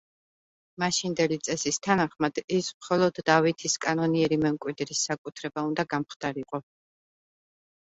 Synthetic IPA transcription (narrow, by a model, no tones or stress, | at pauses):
maʃind̪ɛlit̪sʼɛsist̪ʰanaχmad̪̥ismχɔlˠɔd̪ːavit̪ʰiskʼanɔniɛɾimɛmkʼwid̪ɾisːakʼut̪ʰɾɛbaund̪aɡamχd̪̥aɾiqʼɔ